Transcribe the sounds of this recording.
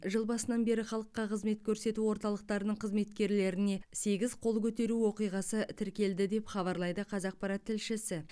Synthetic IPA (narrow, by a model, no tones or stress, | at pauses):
ʒəlˠbɑsənɑnbe̞ɾɪχɑlˠəqːɑqʰəzme̞t̪kʲʰɵɾse̞t̪uwo̞ɾt̪ɑlˠəq̚t̪ɑɾənəɴqʰəzme̞t̪kʲe̞ɾle̞ɾɪne̞se̞ɡʲɪzqʰo̞lˠkʲʰɵt̪e̞ɾuwo̞qijʁɑsət̪ʰɪɾkʲe̞ld̪ɪd̪e̞pχɑβɑɾlˠɑjd̪əqʰɑzɑq̚pɑɾɑt̪ʰːɪlʃɪsɪ